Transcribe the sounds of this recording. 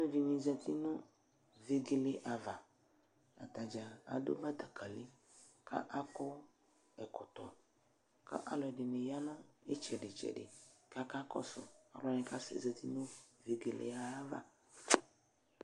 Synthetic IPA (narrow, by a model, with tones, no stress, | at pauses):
nʊ˦vi˨nĩ˨zɛ˨t̪i˦nʊ̃˦ | ve˦ɡe˦lɪ˦ʔa˨va˨ | a̰˨t̪a˨d͡ʒa˨a̰˨do̰˦ba˦t̪a˨kʰa˨li˦ | ka̰˦ʔa˦kʊ˦ | ɛ˨kʊ˨t̪ɔ˨ | ka̰˦ʔa˦lɔ˨ɛ˨dɪ˨nɪ˨ja˦nʊ̃˦ɛ˦t͡ʃɛ˨dɪ˨t͡ʃɛ̰˨dɪ˨ka˦ka˦kɔ̰˦sʊ̰˨a˨lɔ˨˦nɪ̃˨ka˦sɪ̰˨zɛ˨ti˦nʊ̃˦ve˨ɡe˨lɪ̰˨a˦va̰˨